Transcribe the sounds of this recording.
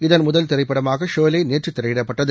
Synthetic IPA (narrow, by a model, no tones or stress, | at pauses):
ɪðɐnmʊðɐlt̪ɪɾɐɪpːɐɽɐmaːɣɐʂoːlɐɪneːʈrɯt̪ːɛɾɐʋɪɽɐpːɐʈːɐðɯ